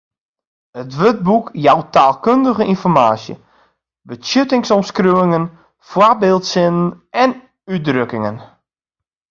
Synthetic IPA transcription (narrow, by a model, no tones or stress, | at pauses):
ətʋøt̚bukjawtaːlˠkøndəɣəʔinfɔrmaːsjə̰ | bəsjøtɪŋsɔmskrywɪŋən | fwarbeːlˠtsɪnənʔɛn | yt̚drøkɪŋən